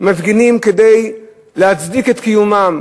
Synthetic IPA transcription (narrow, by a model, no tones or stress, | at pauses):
mavɡinimked̪ej | lehat͡sd̪iket̪kijumam